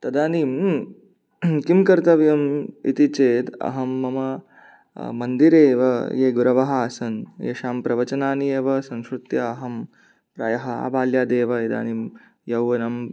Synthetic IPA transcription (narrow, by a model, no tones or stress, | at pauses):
t̪ɐd̪aːniːm | kimkɐɾt̪ɐʋjɐmḭt̪it͡ʃeːt̪ɐ̰ɦɐmːɐmɐ | mɐnd̪iɾeːʋɐjeːɡuɾɐʋɐɦaːsɐnjḛʃaːmpɾɐʋɐt͡ʃɐnaːnijeːʋɐsɐ̃ŋʃɾut̪jɐːɦɐm | pɾa̰ːjɐɦɐa̰ːbaːljaːd̪eːʋɐid̪a̰ːnim | jɐwʋɐnɐm